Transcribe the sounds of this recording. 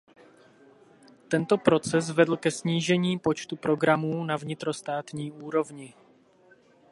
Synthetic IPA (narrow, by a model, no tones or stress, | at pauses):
t̪ɛnt̪o̞pɾo̞t͡sɛs̬vɛdl̩kɛsɲiːʒɛɲiːpo̞t͡ʃt̪upɾo̞ɡɾamuːnavɲɪt̪ɾo̞st̪aːt̪ɲiːuːɾo̞vɲɪ